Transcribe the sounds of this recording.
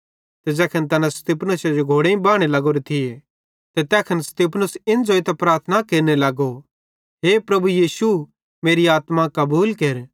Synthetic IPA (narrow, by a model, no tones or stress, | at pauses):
t̪ɛd͡ʒɛːkʰɐnt̪ɐnãst̪iːpʰnʊsad͡ʒoɡʱoːɽeĩbaːɽ̃elɐɡoːɾet̪ʰɪe | t̪ɛt̪ɛːkʰɐnst̪ipʰnʊsɪnd͡ʒoɪt̪ɛpɾaːɾt̪ʰnakeːɾnelɐɡo | ɦepɾɐbujiːsu | meːɾiaːt̪mãkɐbuːlkeɾ